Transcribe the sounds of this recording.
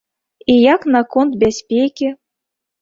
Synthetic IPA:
ijaknakont̪̚bʲasʲpʲekʲi

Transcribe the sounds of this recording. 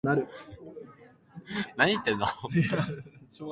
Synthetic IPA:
naɾɯ̟ | nãɲit̪ːenːo

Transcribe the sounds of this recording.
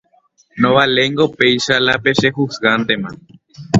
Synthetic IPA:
nõβaleŋɡopejʃalapeʃeɦusɣant̪emã

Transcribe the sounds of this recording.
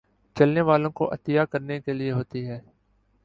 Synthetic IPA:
t͡ʃɐlneʋaːlõko̰ʔɐ̰t̪ɪjaːkəɾnekelɪeɦoːt̪iɦɛː

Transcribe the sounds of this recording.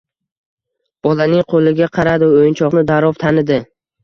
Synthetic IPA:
b̥ɒlanɪŋqʰolɪɡʲaqʰɑɾad̪ɪojɪnt͡ʃʰɒqnɪd̪aɾɒvt̪ʰanɪd̪ɪ

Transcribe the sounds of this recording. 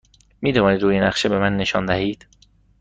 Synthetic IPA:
miːd̪ovɒːniːd̪ɾuːjenæχʃebe̞mænːe̞ʃɒ̰ːnd̪æhiːd̪̥

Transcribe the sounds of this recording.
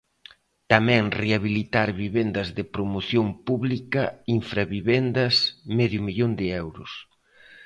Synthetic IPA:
t̪amɛ̃ŋreaβilit̪aɾβiβend̪ɐzðɪpɾomoθjompuβlikɐiɱfɾaβiβend̪ɐsmɛðjʊmiʎond̪ɪɛwɾʊs

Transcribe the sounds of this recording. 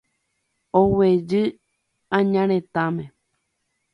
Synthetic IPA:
owed͡ʒɨ | ãɲãɾ̃ẽt̪ãmẽ

